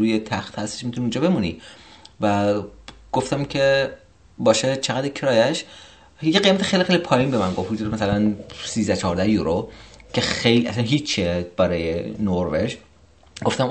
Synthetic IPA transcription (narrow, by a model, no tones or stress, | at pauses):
uːjet̪ʰæxt̪hæst̪e̥ʃmit̪ʰuniund͡ʒɒːbe̞munivæ | ɡ̥o̞ft̪æmcʰe | bɒːʃet͡ʃʰeɣæd̪ecʰɾɒːjæʃ | jeɣejmæt̪ʰi̥xejlixejlipʰɒːjinbemæŋɡofhud͡ʒuɾmæsælænsiːzd̪æt͡ʃʰɒɦːɾd̪æhjuɾocʰe̞xejliʔæsænɦit͡ʃʰːeb̥æɾɒːjenoɾveʒ | ɡoft̪æm